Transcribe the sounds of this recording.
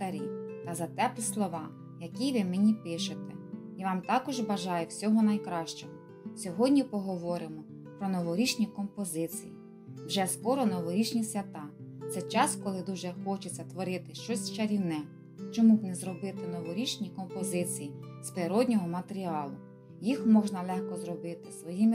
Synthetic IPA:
t̪ɐɾʲḭt̪ɐzɐt̪ɛp̪ˠɪslˠɔʋɑ | jɐkʲijʋɪmenʲipɪʃet̪ɛ | iʋɑmt̪ɑkɔʒbɐʒɑjʊwsʲɔɦɔnɐjkɾɑʃt͡ʃɔɦɔ | sʲɔɦɔdʲnʲipɔɦɔʋɔɾɪmɔ | pɾɔnɔʋɔɾʲit͡ʃnʲikɔmpɔzɪt͡sʲiji | wʒɛskɔɾɔnɔʋɔɾʲit͡ʃnʲisʲʋʲɐt̪ɑt̪sɛjt͡ʃɑskɔlˠɪd̪uʒɛxɔt͡ʃet͡sʲːɐt̪ʋɔɾɪt̪ɪʃt͡ʃɔsʲt͡ʃɐɾʲiwnɛ | t͡ʃɔmubnɛzɾɔbɪt̪ɪnɔʋɔɾʲit͡ʃnʲikɔmpɔzɪt͡sʲijispɾɪɾɔdʲnʲɔɦɔmɐt̪eɾʲiɑlˠʊ | jixmɔʒnɐlˠɛxkɔzrɔbɪt̪ɪsʋɔjimɪ

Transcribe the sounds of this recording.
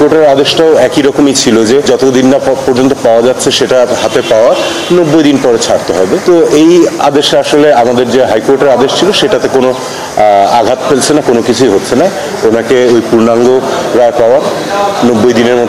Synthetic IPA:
koɾʈeɾad̪eʃʈaoɛkiɾɔkomejt͡ɕʰilod͡ʑed͡ʑɔt̪od̪inːapɔɾd͡ʑont̪opaoad͡ʑatːɕʰeʃeʈaɦat̪epaoaɾ | nobːojd̪inpɔɾet͡ɕʰaɾt̪eɦɔbet̪oeja̰d̪eʃaaʃoleamad̪eɾd͡ʑeɦajkoɾʈeɾad̪eʃt͡ɕʰiloʃeʈat̪ekono | aɡʱat̪felt͡ɕʰenakonokit͡ɕʰuiɦotːɕʰena | onakeojpuɾnaŋɡoɾaepaoaɾ | nobːojd̪ineɾmo

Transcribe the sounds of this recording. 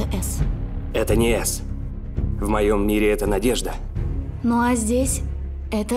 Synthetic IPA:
əʔɛsɛt̪ənʲɪɛs | vmɐjo̞mːʲiɾʲɪɛt̪ənɐdʲeʐd̪ə | noazʲdʲesʲ | ɛt̪ə

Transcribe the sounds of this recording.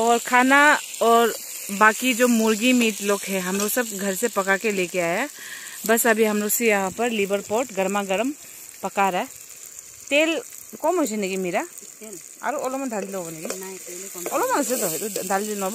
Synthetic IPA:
ɔːɾkʰaːnaɔːɾ | baːkid͡ʒoːmʊɾɡimiːʈloːɡɦɛ̃ɦɐmɾosɐb̚ɡʱɐɾsepɐkakeleːkeaːjabɐsɐbʱiɦɐmɾosijɐɦãpɐɾlibəɾpoːɾʈɡɐɾmaɡɐɾəm | pɐkaːɾa | t̪eːl | kɔːmot͡ʃeneɡimiːɾa | a̰ɾoolomɐnd̪ʱaːlloɡneɡi | oːlomanɐset̪od̪ʱaːld͡ʒenoːba

